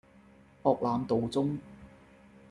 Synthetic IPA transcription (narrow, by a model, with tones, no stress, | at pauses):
pɔː˧k̚laː˨˧mt̪o˨wt͡sʊ˥ŋ